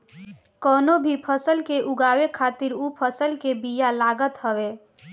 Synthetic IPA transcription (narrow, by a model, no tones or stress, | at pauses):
kɔːnobʱipʰəsəlkeʔʊɡaːwekʰaːt̪iɾupʰəsəlkebijalaːɡət̪ɦəwe